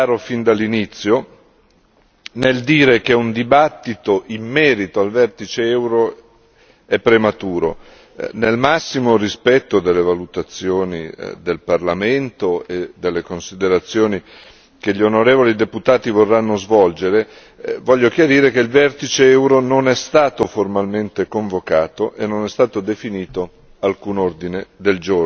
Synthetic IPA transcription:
aːɾofind̪alːinit̪sːjo | neld̪iːɾekeund̪ibat̪ːit̪oʔimːɛːɾit̪oalvɛrt̪it͡ʃeɛwɾo | ɛpːɾemat̪uːɾo̰ | nelmasːimorispɛt̪ːod̪elːevalut̪at̪sːjoːnḭd̪elparlament̪oed̪elːekonsid̪eɾat̪sːjoːni | keʎionoɾeːvolid̪eput̪aːt̪ivorːanːozvɔld͡ʒeɾe | vɔʎːok̟jaɾiːɾek̟eilvɛrt̪it͡ʃeɛwɾononɛst̪aːt̪oformalment̪ekoɱvokaːt̪oʔenːonɛst̪aːt̪od̪efiniːt̪o | alkuːnord̪ined̪eld͡ʒor

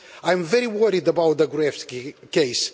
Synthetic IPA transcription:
ãj̃ɱvɛɾiwɜɾid̪əbawt̪̚ðəɡɹɛftkejs

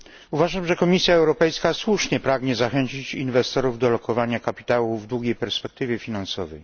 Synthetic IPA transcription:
uvaʐamʐɛkɔmʲisʲjaɛwɾɔpɛjskaswuʂɲɛpɾaɡɲɛzaxɛɲt͡ɕit͡ɕinvɛst̪ɔɾuvd̪ɔlɔkɔvaɲakapʲi̥t̪awuvd̪wuɡʲejpɛɾspɛk̚t̪ɘvʲjɛfʲinansɔvɛj

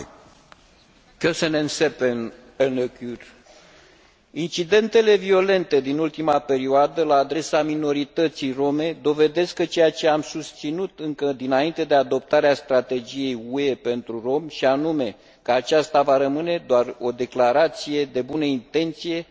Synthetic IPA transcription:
kesənensepen | enəkur | int͡ʃid̪e̞nt̪e̞le̞vio̞le̞nt̪e̞d̪inult̪imape̞ɾioad̪əlaːd̪ɾe̞samino̞ɾit̪ət̪sijro̞me̞d̪o̞ve̞d̪eskːət͡ʃe̞jat͡ʃe̞amsust̪sinut̪ɨŋkəd̪inaint̪e̞d̪e̞ad̪o̞p̚t̪aɾeast̪ɾat̪e̞d͡ʒije̞jue̞pe̞nt̪ɾuro̞mʃianume̞ | kəat͡ʃast̪avaɾəmɨne̞d̪oaro̞d̪e̞klaɾat̪sije̞d̪e̞bunəint̪e̞nt̪sije̞

